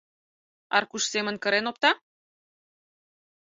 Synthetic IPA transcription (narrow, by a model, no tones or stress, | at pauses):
ɑrkuʃsemə̆nkə̆ɾenop̚t̪ɑ